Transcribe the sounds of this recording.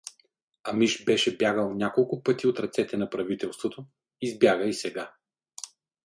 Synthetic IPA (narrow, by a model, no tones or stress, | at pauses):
ɐmiʃbɛʃɛbjaɡəlˠnʲjakolˠkʊpɤt̪iot̪ɾɐt̪sɛt̪ɛnɐpɾɐvit̪ɛlˠst̪vot̪o | izbjaɡəisɛɡa